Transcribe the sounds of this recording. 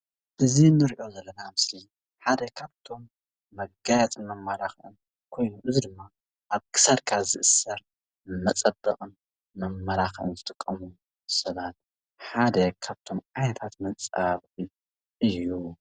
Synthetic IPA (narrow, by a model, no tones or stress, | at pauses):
ʔɨzinɨɾiʔo̞zɐlːɐnamɨsli | ħad̪ɐkʰaβt̪ʰo̞mː | ɐɡajat͡sʼɨmɐmːɐlaxʔɨn | kʰo̞jnuʔɨzid̪ɨmːa | ʔaβkʰɨ̥sɐlkʰazɨʔɨsːɐɾ | mɐt͡sʼɐbːɐχʼɨn | mɐmːɐlaxʔɨ̰nzɨt̪ʼɨkʼːɐmu | sɐβat̪̚ | ħad̪ɐkʰaβt̪ʰo̞mʔʼajnɐt̪ʰat̪mɐt͡sʼaβɨ | ʔɨjːu